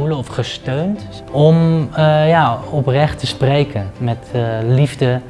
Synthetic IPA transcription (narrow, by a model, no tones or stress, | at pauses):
uləɔfχəstøɥnt | ɔmjaɔprɛχtəsprejkʰənmɛtlivdə